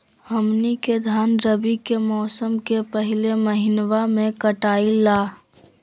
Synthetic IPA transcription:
həmniked̪ʱaːnɾəbikemɔːsəmkepəɦɪleməɦɪnwamẽkəʈaːilaː

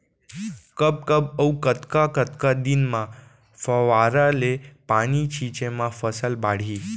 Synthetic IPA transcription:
kəb̚kəbəwkət̪kakət̪kad̪inmã | fəʋaɾalepanit͡ɕʰit͡ʃemãfəsəlbaɽ̤i

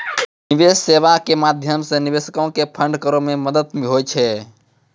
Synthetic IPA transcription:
niʋesːeʋakemad̪ʱjəmsẽniʋesəkaõkepʰəɳɖkəɾõmeməd̪ət̪meɦojt͡ʃʰɛ

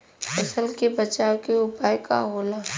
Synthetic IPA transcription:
ɐsəlkebɐt͡ʃaːwkeʊpaːjkaɦoːlaː

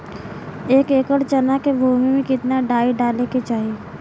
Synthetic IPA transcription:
eːkeːkəɽt͡ʃɐnakebʱuːmimẽkɪt̪naɖaːiɖaːleket͡ʃaːɦieː

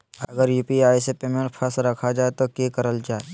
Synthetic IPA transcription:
ɐɡəɾjuːpiaːisepeːmẽɳʈ̚pʰəsɾɐkʰad͡ʒaːet̪okekɐɾəld͡ʒaːe

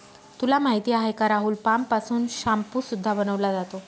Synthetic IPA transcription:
t̪ulamaɦit̪iːaɦajkaɾaɦuːlpampasuːnɕampuːsud̪ʱːabənəʋlad͡zat̪o

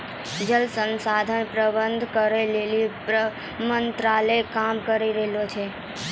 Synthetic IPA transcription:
d͡ʒəlsənsad̪ʱənpɾəbənd̪ʱkəɾelelipɾə | mənt̪ɾaləkamkəɾiɾɛɦelot͡ʃʰe

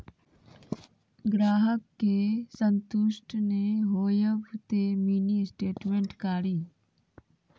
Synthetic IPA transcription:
ɡɾaːɦəkːesə̃nt̪ʊʃʈʰneɦoːjəʋt̪emiːnisʈeːʈmẽɳʈkaːɾiː

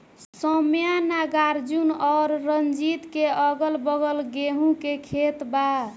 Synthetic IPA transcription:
səmjanaɡaɾd͡ʒunɔɾːənd͡ʒit̪keəɡəlbəɡəlɡeɦũkekʰet̪ba

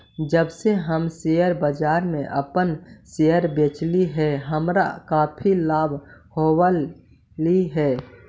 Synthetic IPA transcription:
d͡ʒəbseɦəmsejəɾbəd͡ʒaːɾmẽʔə̰pənsejəɾbeːt͡ʃliɦɛɦəmɾa̰kaːpʰilaːbʱhowə | liɦɛː

